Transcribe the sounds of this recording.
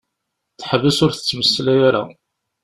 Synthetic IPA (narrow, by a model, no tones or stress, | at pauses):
θħəvəsʊɾθə̥t͡sːməsːlæjaɾa̰